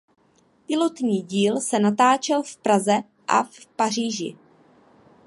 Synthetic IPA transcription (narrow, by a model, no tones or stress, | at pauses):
pɪlo̞t̪ɲiːɟiːlsɛnat̪aːt͡ʃɛlfpɾazɛ | ʔa̰fpar̝iːʒɪ̰